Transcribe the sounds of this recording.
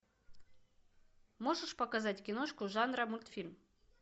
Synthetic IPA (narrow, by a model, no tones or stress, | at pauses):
mo̞ʐɨʂpɐkazatʲkʲɪnoʂkʊʐanɾəmulʲt̪fʲilʲm